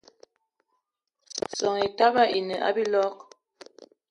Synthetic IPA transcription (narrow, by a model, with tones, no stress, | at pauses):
sɔ˨ŋe˨ta˦ba˦ʔi˨nə˨ʔa̰˦bi˦lɔ˦k̚